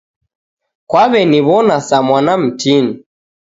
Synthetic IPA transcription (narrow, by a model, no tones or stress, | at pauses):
kwaβɛniβɔnasamwanam̩tini